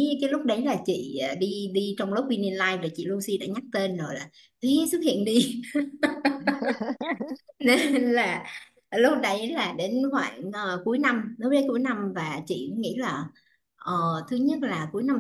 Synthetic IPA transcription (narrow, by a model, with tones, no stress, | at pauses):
kaː˨˦jlʊ˦˥k͡p̚ɗə˨˦jlaː˨˩t͡ɕḭ˧˨əː˨˩ɗi˧ɗi˧t͡ɕɔ˧wŋ͡mlo˦˥p̚wi˧ni˧ənlaː˧jvaː˨˩t͡ɕḭ˧˨lo˧si˧ɗa̰ː˧˥ɲa˦˥k̚t̪e˧nzo˨˩jlaː˨˩ | t̪ʰi˨˦sɨ˦˥k̚hḭ˧˨ənɗi˧ | ne˧nlaː˨˩ | lʊ˦˥k͡p̚ɗə˧˦jlaː˨˩ɗe˨˦nhwa̰ː˧˨ŋʔəː˨˩ku˨˦əjna˧mnəː˨˦jɗə˨˦jku˨˦əjna˧mvaː˨˩t͡ɕḭ˧˨˦ŋḭ˧˥laː˨˩ | ʔəː˨˩t̪ʰɨ˧əɲə˦˥t̚laː˨˩ku˨˦əjna˧m